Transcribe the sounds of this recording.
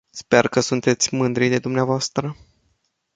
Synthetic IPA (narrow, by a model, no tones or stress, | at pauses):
spe̞rkəsunt̪e̞t̪sʲmɨnd̪ɾijd̪e̞d̪umneavoast̪ɾə